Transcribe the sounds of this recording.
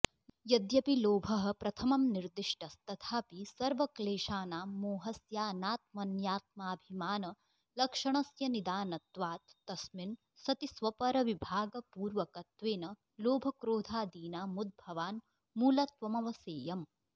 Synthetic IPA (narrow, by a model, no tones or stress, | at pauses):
jɐd̪jɐpiloːbʱɐɦɐ̆pɾɐt̪ʰɐmɐmniɾd̪iʂʈɐst̪ɐt̪ʰaːpisɐɾʋɐkleːʃaːnaːmoːɦɐsjaːnaːt̪̚mɐnjaːt̪̚maːbʱimaːnɐ | lɐkʂɐɳɐsjɐnid̪aːnɐt̪ʋaːt̪ːɐsmin | sɐt̪isʋɐpɐɾɐʋibʱaːɡɐpuːɾʋɐkɐt̪ʋeːnɐ | loːbʱɐkɾoːd̪ʱaːd̪iːnaːmud̪̚bʱɐʋaːn | muːlɐt̪ʋɐmɐʋɐseːjɐm